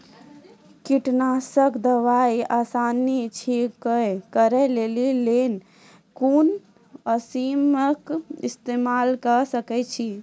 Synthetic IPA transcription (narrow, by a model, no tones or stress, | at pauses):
kiʈnasəkd̪əʋaiasanit͡ʃʰikəjkəɾɛlelilen | kun | əsiməkist̪emalkəsəkɛt͡ʃʰi